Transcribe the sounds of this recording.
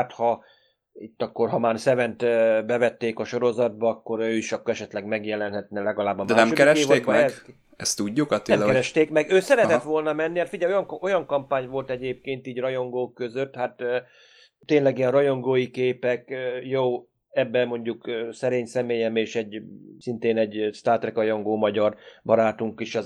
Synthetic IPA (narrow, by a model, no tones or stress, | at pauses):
at̪hɒ | it̪ːɒkːo̞rɦɒmaːrsɛvɛnt̪bɛvɛt̪ːeːkɒʃo̞ɾo̞zɒd̪̚bɒɒkːo̞ɾøːiʃɒkːɾɛʃɛt̪lɛɡmɛɡjɛlɛnɦɛt̪nɛlɛɡɒlaːbːɒmd̪ɛaːɛmʃokɛɾɛʃeːveːkɛɛ | ɛst̪uɟːukɒenɛakɛɾɛʃt̪eːkmɛɡøːsɛɾɛt̪ɛt̪ʋo̞lnɒmɛnːihaːt̪fiɟɛjojɒŋo̞jɒŋkɒmpaːɲvo̞lt̪ɛɟeːp̚keːnt̪iːɟrɒjo̞ŋɡoːkːø̞zø̞t̪ːhat̪ː | t̪ːeːɲnlɛɡijɛnrɒjo̞ŋɡoːjikeːpɛkjoː | ɛbːɛmo̞ɲɟukːsɛɾeːɲsɛmeːjɛmeːʃɛɟsint̪eːnɛɟst̪aːrt̪rɛkrɒjo̞ŋɡoːmɒɟɒrbɒɾaːt̪uŋkiʃɒ